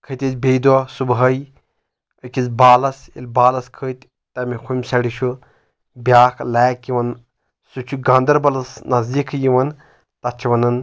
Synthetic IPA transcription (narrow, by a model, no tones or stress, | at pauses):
kʰət̪ʲit͡sbejd̪ɔsubɦɐj | əkʲit͡sbaːlɐsḭlʲbaːlɐskʰəːt̪ʲ | t̪ɐmikʰumʲsɐɽiʃʰu | bʲjaːkʰlaːkiʋɐn | sut͡ʃʰuɡɐ̃nd̪ɐɾbɐlɐsnɐzd̪ikʰjiʋɐn | t̪ɐt͡ʃʰiʋɐnɐn